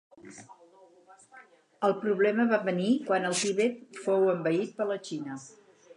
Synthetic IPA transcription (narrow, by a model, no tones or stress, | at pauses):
əlˠpɾuβlɛməβaβənikwanəlˠt̪iβɛt̪̚fowəmbəit̪̚pələt͡ʃinə